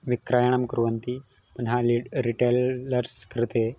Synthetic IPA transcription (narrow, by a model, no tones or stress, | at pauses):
ʋikɾajaɳ̃əmkɾuʋənt̪i | pənɦaliɾiʈeləɾskɾit̪e